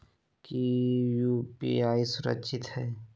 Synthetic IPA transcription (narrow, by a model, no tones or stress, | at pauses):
kijuːpḭaːisʊɾə̰kːʃʰɪt̪hɛː